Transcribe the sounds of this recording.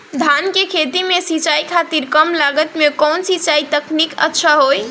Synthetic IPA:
d̪ʱankekʰet̪imesit͡ʃaikʰat̪iɾkəmlaɡət̪mekɔnsit͡ʃait̪əknikə̰tːʃʰaɦoj

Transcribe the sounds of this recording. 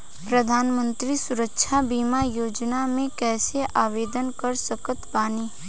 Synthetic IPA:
pɾəd̪ʱaːnmə̃nt̪ɾisʊɾəkʃʰabiːmajoːd͡ʒnamẽkɛːseʔaːʋeːd̪ənkəɾsəkət̪baːniː

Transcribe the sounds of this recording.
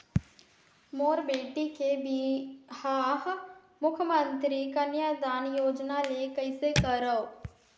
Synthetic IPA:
moːɾbeːʈikebihaːɦ | mʊkʰjəmə̃nt̪ɾikɐnjad̪aːnjoːd͡ʒnalekəɪsekəɾəo

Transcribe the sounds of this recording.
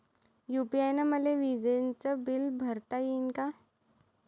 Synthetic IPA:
jupiajnamɐleʋid͡ʒent͡səbɪlbʱɐɾt̪ajinka

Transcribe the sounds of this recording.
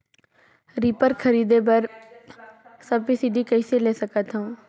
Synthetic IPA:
ɾiːpəɾkʰəɾiːd̪ebɐɾ | səbisiɖikɐiseleːsəkət̪ɦõː

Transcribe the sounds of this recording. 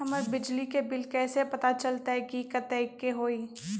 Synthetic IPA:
ɦɐməɾbɪd͡ʒlikebɪlkɛːsepɐt̪at͡ʃɐlt̪aɦɛkikɐt̪ɛɪkːeɦoːiː

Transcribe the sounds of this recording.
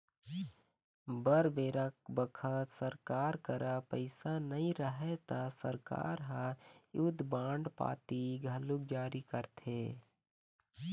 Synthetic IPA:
bəɾbeːɾək̚bəkʰət̪səɾkaːɾkəɾapəɪsanəɦĩɾəɦet̪asəɾka̰ːɾɦãjud̪bãːɳɖpa̰ːt̪iɡʱəluk̚d͡ʒaːɾikəɾt̪ʰeː

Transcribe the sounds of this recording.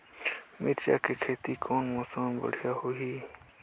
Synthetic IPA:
miʈt͡ʃa̰kekʰet̪ikʰonmɔsanbə̰ɽ̤ijahoɦi

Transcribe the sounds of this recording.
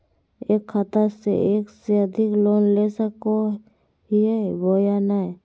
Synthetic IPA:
eːkʰːat̪əɾsḛʔeːkseəd̪ʱɪkloːnlesəko | ɦiebojana

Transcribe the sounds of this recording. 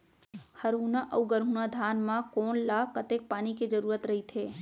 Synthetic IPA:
həɾɦunaʔəuɡəɾɦunad̪ʱaːnmãkoːnlakət̪ek̚paːniked͡ʒəɾuːɾət̪ɾəɦit̪ʰeː

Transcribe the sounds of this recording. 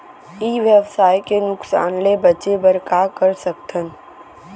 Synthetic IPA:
iːʋjəʋsaːjkenʊksa̰ːnlebɐt͡ʃebɐɾkakɐɾsɐk̚t̪ʰən

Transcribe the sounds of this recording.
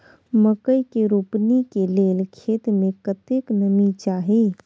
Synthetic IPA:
məkəjkeɾuːpnikeleːlkʰeːt̪mẽkət̪eknəmit͡ʃaːɦi

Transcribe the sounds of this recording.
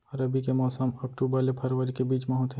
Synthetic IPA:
ɐɾəbikemɔːsəmɐk̚ʈuːbəɾlepʰɐɾʋəɾikebiːt͡ʃmɐɦũt̪ʰɦɛ̃

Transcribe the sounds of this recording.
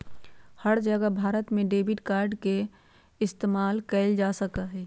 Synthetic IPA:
həɽd͡ʒəɡəbʱaːɾət̪mẽɖeːbɪʈkaːɾɖke | ɪst̪eːmaːlkɛɪld͡ʒaːsəkaɦɛː

